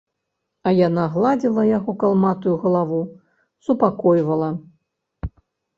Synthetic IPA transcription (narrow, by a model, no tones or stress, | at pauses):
ɐjanaɣlˠad͡zʲilˠɐjaɣɔkalˠmat̪ujuɣɐlˠavu | supakɔjvɐlˠɐ